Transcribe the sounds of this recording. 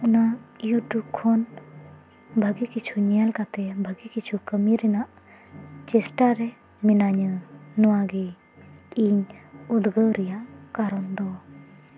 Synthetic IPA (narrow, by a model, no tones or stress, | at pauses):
unajuʈjub̚kʰɔn | bʱəɡikit͡ʃʰuɲɛjalkat̪ɛbʱəɡikit͡ʃʰukəmiɾɛnaʔ | t͡ʃɛsʈaɾɛ | minaɲənɔwaɡɛ | iɲud̪ɡəɾɛjaʔkaɾɔnd̪ɔ